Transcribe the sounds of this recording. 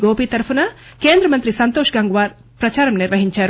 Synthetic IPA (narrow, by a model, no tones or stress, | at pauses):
ɡoːpiːt̪ɐɾpʰunɐkeːnd̪ɾɐmɐnt̪ɾisɐnt̪oːʃɡaːŋɡuʋaːɾ | pɾɐt͡ʃaːɾɐmniɾʋɐɦiɲt͡ʃaːɾ